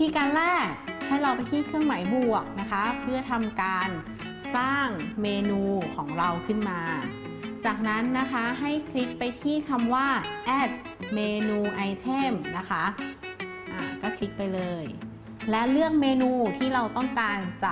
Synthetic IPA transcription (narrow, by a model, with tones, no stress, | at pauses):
t̪ʰiː˧˥˩kaː˧nlɛː˥˩k̚ha˥˩jɾa˧wpa˧jt̪ʰiː˥˩kʰɯ˥˩əŋma˩˦jbu˨˩ək̚na˦˥kʰa˦˥pʰɯ˥˩ɐt̪ʰa˧mkaː˧n | saː˥˩ŋmeː˧nuː˧kʰɔː˩˦ŋɾa˧wkʰɯ˥˩nmaː˧ | t͡ɕaː˨˩k̚na˦˥nːa˦˥kʰa˦˥ɦa˥˩jkʰli˦˥k̚pa˧jt̪ʰiː˥˩kʰa˧mwaː˥˩ʔɛː˦˥˩t̪̚ | meː˧nuː˧ʔa˧jt̪ʰe˥˩mna˦˥kʰa˦˥ | ʔaː˨˩kɔː˥˩kʰli˦˥k̚pa˧jlɤː˧j | lɛ˦˥ʔlɯ˥˩ək̚meː˧nuː˧t̪ʰiː˥˩ɾa˧wt̪ɔ˥˩ŋkaː˧nt͡ɕa˨˩